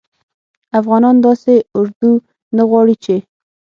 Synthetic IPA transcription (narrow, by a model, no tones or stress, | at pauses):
afɣɑnɑnd̪ɑseʊɾd̪u | naɣwɑɽit͡ʃe